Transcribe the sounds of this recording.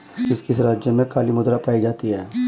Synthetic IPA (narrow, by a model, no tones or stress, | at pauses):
d͡ʒɪskiɪs̬ɾaːd͡ʒjəmẽkaːlimʊd̪ɾapaːid͡ʒaːt̪iɦɛː